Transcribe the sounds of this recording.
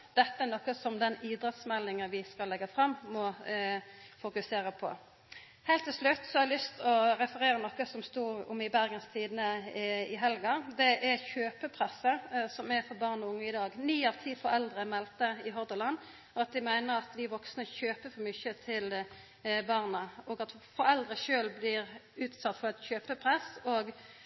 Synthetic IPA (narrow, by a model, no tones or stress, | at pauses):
d̪̥ɛt̪ːəɛnɔkːəsɔmd̪ɛniːd̪ɾɛt̪smɛlːɪŋəʋɪskɑlːɛɡːəfʁɑmːmɔ | fʊkʉseːɾəpʰɔ̰ | hɛɪlt̪ʰːɪlʂlʉt̪ːsɔhɑəlʏst̪ɔɾɛfəɾeːɾənɔkːəsɔmst̪uːʊ̰mɪbæɾɡənst̪ʰiːd̪nəɪɦɛlɡɑd̪ɛʔæɾçøːpəpʰʁɛsːəsɔmæɾfɔɾbɑːʁnəʊŋːəɪd̪ɑːɡnyːɑʋt̪ʰiːfɔɾɛld̪ʁəmɛlt̪əɪɦɔʁd̪əlɑnː | ɑt̪̚d̪ɪmæɪnəʁɑt̪ʋɪʋɔksnəɔçøːpəfɔɾmʏçət̪ʰɪl | bɑːʁnəɔːɡɑt̪fɔɾɛld̪ɾəʃøːlblɪɾʉːt̪sɑt̪ːfɔʁɛt̪çøːpəpʰʁɛsoːɡ